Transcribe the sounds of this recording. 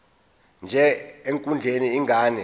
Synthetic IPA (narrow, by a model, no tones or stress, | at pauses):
nd͡ʒʱɛeŋkʼund͡ɮʱeniːŋɡʱaːnɛ